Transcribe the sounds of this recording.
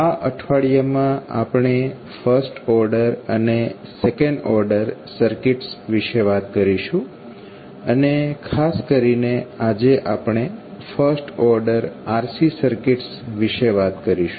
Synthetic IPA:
aʔəʈʰʋaɭijamãa̰pɳ̃e | fəɾsʈɔɾɖəɾənesekəɳɖɔɾɖəɾsəɾkiʈsʋiʃeʋat̪kəɾiʃũ | ənekʰaskəɾinead͡ʒeʔapɳ̃efəɾsʈɔɾɖəɾaɾsisəɾkiʈsʋiʃeʋat̪kəɾiʃũ

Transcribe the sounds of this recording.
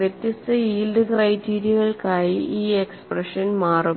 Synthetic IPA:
ʋjet̪ːist̪ɐiːlɖɨkrɐjtiːɾijɐɣɐɭkaːjiʔiːeksprɐʂɐnmaːru

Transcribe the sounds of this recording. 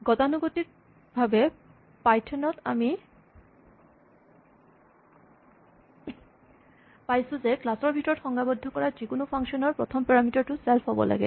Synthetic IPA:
ɡɔtanuɡot̪ik̚ | bʱabe | pajtʰɔnɔta̰mi | pajsuzeklasɔɹbʱitɔɹɔtxɔŋɡabɔd̪ʱːɔkɔɹazikunupʰaŋʃɔnɔɹpɹɔ̰t̪ʰɔmpɛɹamitɔɹtusɛlfɦɔbɔ̰lʔa̰ɡɛ̰

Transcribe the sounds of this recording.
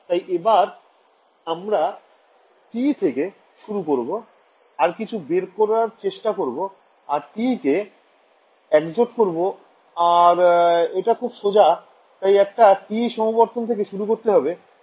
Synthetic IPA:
t̪ajʔebaɾ | amɾa | t̪it̪ʰeke | ʃuɾukoɾbo | aɾkit͡ɕʰubeɾkoɾaɾt͡ɕeʃʈakoɾbo | aɾt̪ike | ɛkd͡ʑoʈkoɾbo | aɾeʈakʰubʃod͡ʑa | t̪ajɛk̚ʈaʈiʃɔmoboɾt̪ont̪ʰek̬eʃuɾukoɾt̪eɦɔbe

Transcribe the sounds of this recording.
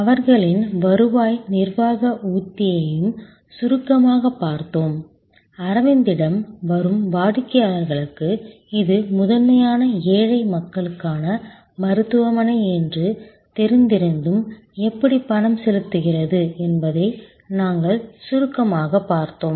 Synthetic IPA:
ɐʋɐɾɣɐɭɪnʋɐɾɯʋaːjnɪrʋaːɣɐʔuːt̪ːɪjɐjɯm | sʊɾɯkːɐmaːɣɐpːaːɾt̪oːm | ɐɾɐʋɐnd̪ɪɽɐmʋɐɾɯmʋaːɽɯkːɐjaːlɐɾɣɐɭɯkːɯ | ɪðɯmʊðɐnmɐjaːnɐeːɻɐɪmɐkːɐɭɯkːaːnɐ | mɐɾɯt̪ːɯʋɐmɐnɐɪɛndrɯ | t̪ɛɾɯnd̪ɪɾɯnd̪ɯm | ɛpːɐɽipːɐɳɐmsɛlɯt̪ːɯɣɪrɐðɯɛnbɐðɐɪ | naːŋɡɐɭsʊɾɯkːɐmaːɣɐpːaːɾt̪oːm

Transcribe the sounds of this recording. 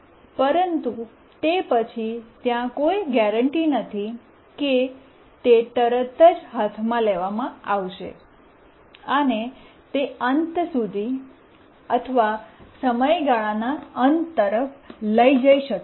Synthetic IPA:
pəɾənt̪u | t̪epət͡ʃʰit̪jãkojɡɛɾəɳʈinət̪ʰi | ke | t̪et̪əɾət̪əd͡ʒɦat̪ʰmãleʋamãaʋʃḛ | əne | t̪eənt̪sud̪ʱi | ət̪ʰəʋasəməjɡaɭanaənt̪t̪ːəɾəfləid͡ʒaiʃək

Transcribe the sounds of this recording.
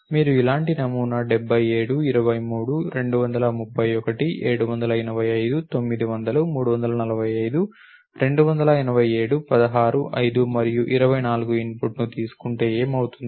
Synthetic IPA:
miːɾuilaːɳʈinɐmuːnɐɖɛbʱːɐje̞ːɽuiɾɐʋɐjmuːɽuɾe̞ɳɖuʋɐnd̪ɐlɐmupːɐjɔkɐʈiʔeːɽuʋɐnd̪ɐlɐinɐʋɐjɐjd̪ut̪o̞mːid̪iʋɐnd̪ɐlumuːɽuʋɐnd̪ɐlɐnɐlɐʋɐjɐjd̪u | ɾe̞ɳɖuʋɐnd̪ɐlɐinɐʋɐje̞ːɽupɐd̪ɐɦaːɾuʔɐjd̪umɐɾijuʔiɾɐʋɐjnaːluɡuinpuʈnut̪iːsu̥kuɳʈeːeːmɐwut̪und̪i

